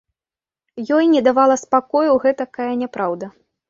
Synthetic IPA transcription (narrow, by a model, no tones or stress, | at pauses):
jɔjnʲɛd̪avalˠɐspakɔjuwɣɛt̪ɐkajɐnʲɛpɾawd̪ɐ